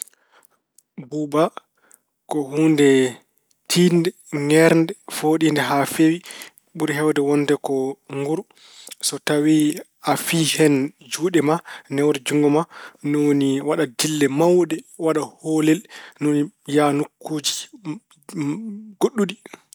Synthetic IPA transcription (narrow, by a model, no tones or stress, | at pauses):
buba | kɔhundɛ | tʰiːndɛ | ŋɛɾndɛfoɗindɛɦafewi | ɓuɾɦɛwdɛwɔndɛkɔŋɡuɾ | sɔtawi | afihɛnd͡ʒuːɗɛmanɛwɾɛd͡ʒuŋɡɔmanoniwaɗadilːɛmawɗɛwaɗaholɛlnonijanukːud͡ʒi | ɡoɗːuɗi